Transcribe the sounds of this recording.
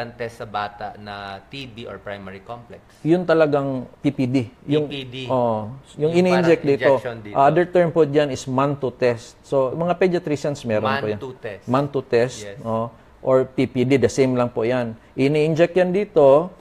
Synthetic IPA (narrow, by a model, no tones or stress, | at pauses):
ɐnt̪ɛsːɐbaːt̪aʔnɐt̪ibiʔoɹpɹajmaɹikomplɛksjʊnt̪ɐlɐɡaŋpipid̪ijʊŋd̪ʔoːʔjʊŋɪniʔɪnd͡ʒɛk̚d̪iːt̪ond̪ʔɐʔad̪ɛɹt̪ɛɹmpod͡ʒanɪsmant̪ʊt̪ɛst̪̚somɐŋapɛd͡ʒɐt̪ɾisɐnsmɛːɾonpʊjanɛmant̪ut̪ɛst̪o | ʔoɹpipid̪id̪ɐsejmlɐŋpʊjanʔɪʔniʔɪnd͡ʒɛk̚jɐnd̪iːt̪o̞